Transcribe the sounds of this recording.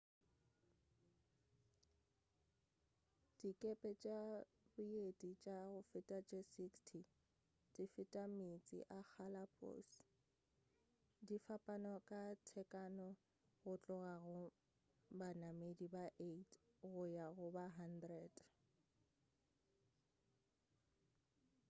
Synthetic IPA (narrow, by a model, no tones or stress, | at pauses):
d̥ikʼepʼɛt͡ʃʼa | bʊedʼit͡ʃʼaɣʊfɪtʼat͡ʃʼesikstʰi | d̥ifɪtʼamit͡sʼɪ̰ʔak͡xʰalapʼo̰s | difapʼanɔkʼatʰɛkʼanɔ | ɣʊt͡ɬʼʊɣaɣʊ | banamedibaʔetʰɣʊjaɣʊbaɦandrɛd